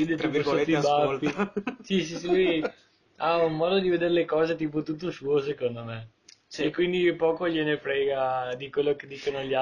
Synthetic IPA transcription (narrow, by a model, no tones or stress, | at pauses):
iːd̪et̪ɾislet̪ːibafisis̬isiluj | aunmɔːd̪od̪ived̪eɾelekɔːzet̪iːp̬ot̪ut̪̬ːosuːosekond̪ome | sekːwind̪ipɔːkoʎenepɾɛːɡad̪ikwelːoked̪ːiːkonoʎa